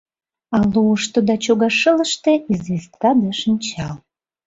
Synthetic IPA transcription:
ɑluəʃt̪od̪ɑt͡ɕoɣɑʃələ̆ʃt̪eizβest̪ːɑd̪əʃənt͡ɕɑl

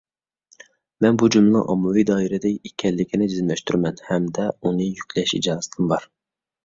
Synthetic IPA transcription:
mɛnbud͡ʒumlˠɨ̰ʔɑmːɨwijd̪ɑːiɾɛd̪ɛikʲʰɛlːɪkʲʰinɪd͡ʒizmlɛʃt̪yɾmɛnhɛmd̪ɛunɨjykʲʰlɛʃḭd͡ʒɑːzt̪ʰɨmbɑɾ

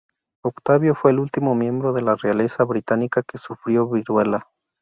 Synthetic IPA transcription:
okt̪aβjo̞fwe̞ːlult̪imo̞mje̞mbɾoðe̞lareale̞saβɾit̪anikake̞sufɾjo̞βiɾwe̞la

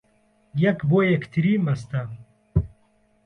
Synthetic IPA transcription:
jɐkbojɐkt̪ʰiɾimɐst̪ɐ

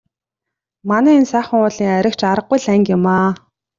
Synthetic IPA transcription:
manæːensæːχə̆ŋʊːɮiːŋæɾʲɪ̆kt͡ɕaɾə̆q̚ɡujɮæŋkɪmaː

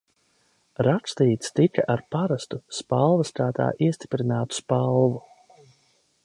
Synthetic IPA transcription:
ɾakst̪iːt̪st̪ikaʔaɾpaɾast̪uspalˠvɐst̪aːt̪a̰ːʔiɛst̪i̥pɾinaːt̪u̥spalˠvu

